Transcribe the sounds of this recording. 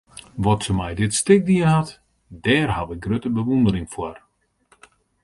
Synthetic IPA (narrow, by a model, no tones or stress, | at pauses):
ʋɔtsəmɛjdɪtstɪk̚diənɦat | dɛːrhaʋɪk̚ɡrøtəbəʋundəɾɪŋfwɔr